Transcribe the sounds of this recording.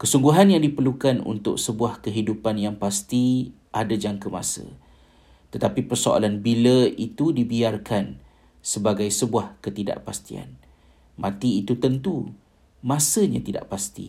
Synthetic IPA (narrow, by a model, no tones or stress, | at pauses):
kəsuŋɡuɦanjaŋdipərlukanṵnt̪ʊ̰ksəbuahkəɦidupanjaŋpast̪i | ʔadad͡ʒaŋkəma̰sə̰ | t̪ət̪apipərsoa̰lanbiləit̪udibiarkan | səbaɡajsəbuahkət̪ida̰ʔpast̪ia̰n | ma̰t̪iːt̪ut̪ənt̪u | mãsəɲa̰t̪ida̰ʔpast̪ḭ